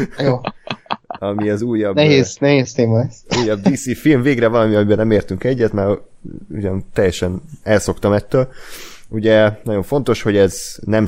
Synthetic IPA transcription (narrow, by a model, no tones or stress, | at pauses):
joː | ɒmiɛzuːjːɒbnɛɦeːznɛɦeːst̪eːmɒɛsuːjːɒb̚d̪iːsiːfilɱveːɡrɛvɒlɒmiɒmibɛnɛmeːrt̪yŋkɛɟːɛt̪mɛɾuɟɒnt̪ɛjːɛʃɛnɛlso̞kt̪ɒmɛt̪ːøːluɟɛnɒɟo̞ɱfo̞nt̪o̞ʃho̞ɟɛznɛm